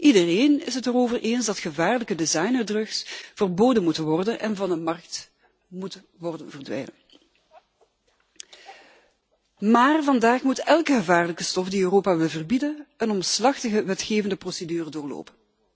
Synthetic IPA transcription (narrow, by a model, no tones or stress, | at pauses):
ʔidəreːnɪ̰sɦətəroːvərʔeːnzdɑtxəvaːrləkədezɑjnərdrɵksv̥ərboːdənmutənʋɔrdənʔɛnvɑndəmɑrk̚t | mutə | ʋɔrdənvərdʋɛ̰jnən | maːrvɑndaːxmutɛlˠkəɣəvaːrləkəstɔfdiøːroːpaʋɪlˠvərbidənənɔmslɑxtəɣəʋɛtxeːvəndəprosedyːrədʊːrlo̰ːpən